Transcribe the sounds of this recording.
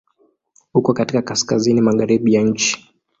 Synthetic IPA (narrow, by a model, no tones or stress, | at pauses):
hukɔkatikakaskazinimaɣaɾiɓijaɲ̩t͡ʃi̥